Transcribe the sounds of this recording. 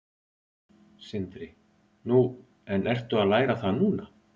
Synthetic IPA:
sɪnt̪ɾɪ | nu | ɛnʔɛr̥t̪ʏaðlaːjɾaθaðnuːna

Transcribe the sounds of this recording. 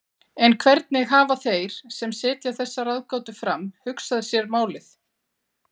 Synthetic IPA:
ɛnkʰvɛɾt̪̚nɪɣaːvaθejɾ̥sɛmsɪːt̪jaθɛsːaɾaðkaːwt̪ʏfɾamhʏksaðɪsjɛɾmaːwlɪθ

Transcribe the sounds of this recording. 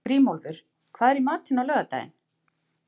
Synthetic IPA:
ɾiːmolvʏɾ̥ | kʰvaːðɛɾimaːt̪ɪnawlœːɣat̪a̰ːjɪ̰n

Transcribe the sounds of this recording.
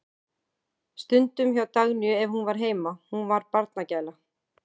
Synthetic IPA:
st̪ʏnt̪ʏmçawt̪aɣnʏɛvhunvaɾ̥ɦeːjmahunvaɾpaɾt̪nacaːjla

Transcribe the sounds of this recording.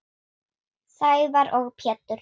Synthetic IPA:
saːjvaɾʔɔɣpʰjɛːt̪ːʏɾ̥

